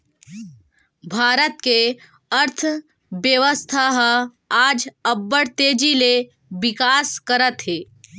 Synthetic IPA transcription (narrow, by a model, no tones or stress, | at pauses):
bʱaːɾət̪ke | əɾt̪ʰ | bjəʋəst̪ʰaɦ | aːd͡ʒəbːəɽt̪eːd͡ʒile | bɪkaːskəɾət̪ɦeː